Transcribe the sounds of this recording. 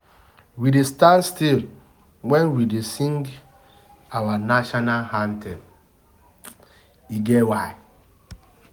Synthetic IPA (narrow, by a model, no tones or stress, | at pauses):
widestanstil | wɛnwidesĩŋɡ | awanaʃɔnalhantʰɛm | iɡewaɪ